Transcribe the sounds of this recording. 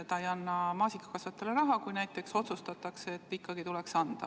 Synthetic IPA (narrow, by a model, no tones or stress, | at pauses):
t̪ɑejɑnːɑmɑːsikːɑ̥kɑsvɑt̪ːˑele̞ɾɑɦɑkujnæjt̪ːˑe̞kso̞t̪sust̪ɑt̪ːɑkseːt̪ːikːɑɡit̪ulɛksɑnd̪̥ɑ̰